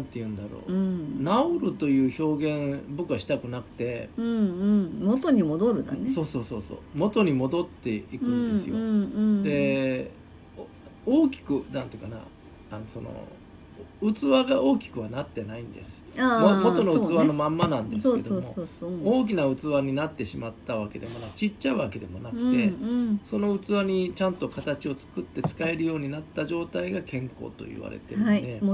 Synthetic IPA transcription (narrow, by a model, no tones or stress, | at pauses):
nãnt̪e̞jɯ̟̃nd̪aɾo̞̰ːnaoɾɯ̟t̪o̞jɯ̟ːço̞ːɡẽ̞ɴbɯkɯaɕi̥t̪akɯ̟nakɯ̟̥t̪ẽ̞ | mot̪oɲ̟imod̪oɾɯ̟d̪a̰neso̞ːso̞ːso̞ːso̰ːmo̞t̪o̞ɲ̟imo̞d̪o̞t̪ːe̞ikɯ̟̃nd̪e̞ɨjod̪e̞ | oːkʲi̥kɯ̟nãnt̪eikana̰ | anosono̰ | ɯ̟t͡sɨβaɡao̞ːkʲi̥kɯ̟βanat̪ːe̞naĩnd̪e̞̰sɨ̥ammo̞t̪o̞noɯt͡sɨβano̞mãmːanãnd̪e̞sedoooːk̬ʲinaɯ̟t͡sɨβaɲ̟inat̪ːe̞ɕimat̪ːaβake̞d̪e̞mo̞nakɯ̟̥t͡ɕit͡ɕːaɯ̟βake̞d̪e̞mo̞nakɯ̟̥t̪e̞so̞no̞ɯ̟t͡sɨβaɲ̟it͡ɕãnt̪o̞kat̪at͡ɕio̞t͡sɨ̥kɯ̟t̪ːe̞t͡sɨ̥kae̞ɾɯ̟jo̞ːɲ̟inat̪ːaʑo̞ːt̪aiɡakẽ̞ŋko̞̰ːt̪o̞̰ḭβa̰ɾe̞̰t̪ed̪e̞